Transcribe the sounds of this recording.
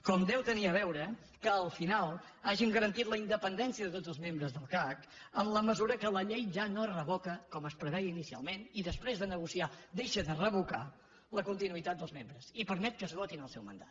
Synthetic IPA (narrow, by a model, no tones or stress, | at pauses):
kɔmd̪ɛwt̪əniəβɛwɾə | kəːlˠfinalˠ | aʒiŋɡəɾənt̪it̪ləind̪əpənd̪ɛnsiəðət̪odd͡zəlˠzmembɾəzðəlˠkakəmləməzuɾəkələʎejʒanorəβɔkəkɔməspɾəβɛjinisia̰lˠmeniðəspɾezðənəɣ̞usiad̪eʃəðərəβuka̰ | ləkunt̪inuit̪at̪̚d̪əlˠzmembɾəzipəɾmɛt̪̚kəzɣɔt̪inəlˠsɛwmə̰nd̪a̰t̪̚